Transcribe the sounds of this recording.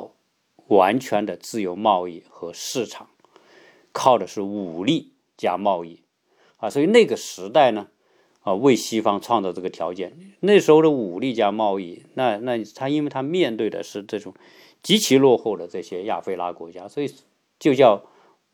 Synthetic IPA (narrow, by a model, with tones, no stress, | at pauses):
ʊ | wa˧˥nt͡ɕʰɥɛ˧˥nd̪ə˨t͡sɹ̩˥˩jo˧˥ʊmɑ˥˧ʊi˥˩xɤ˧˥ʂɻ̩˥˩ʈ͡ʂʰɑ̥˨˩˦ŋ | kʰɑ˥˩ʊʈ͡ʂə˩ʂɻ̩˥˩u˨˩li˥˩ | t͡ɕja̰˥mɑ˥˧ʊi˥˩ | a˧swɔ˧˥i˧ne˥˩ɪɡə˩ʂɻ̩˧˥t̪a˥˩ɪnə˩ | ə˧we˥˩ɪɕi˥fɑ˥ŋʈ͡ʂʰwɑ˥˧ŋt͡sɑ˥˧ʈ͡ʂɤ˥˩ɡə˩t̪ʰjɑ˧˥ʊt͡ɕjɛ˥˩nne˥˩ɡə˩ʂɻ̩˧˥xo˧ʊʂu˨˩li˥˩t͡ɕja˥mɑ˥˧ʊi˥˩na˥˧na˥˩t̪ʰa˥i˥nwe˥˧˩ɪt̪ʰa˥mjɛ˥˧nt̪we˥˩ɪd̪ə̰˩ʂɻ̩˥˧ʈ͡ʂɤ˥˩ʈ͡ʂʊ˨˩ŋ | t͡ɕi˧˥t͡ɕʰi˧˥lwɔ˥˧xo˥˩ʊd̪ə˩ʈ͡ʂɤ˥˩ɕjɛ˥ja̰˥˩fe˥˧ɪla˥kwɔ̰˧˥t͡ɕja˥swɔ˧˥i˨˩ | t͡ɕjo˥˧ʊt͡ɕjɑ˥˧ʊ